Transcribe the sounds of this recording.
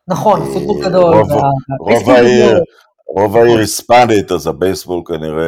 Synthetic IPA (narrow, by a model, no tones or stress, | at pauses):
naχo̞nfut̪̚bolɡado̞lvaʁovaiʁ | ʁovaiʁispand̪it̪azabejsbolkaniʁe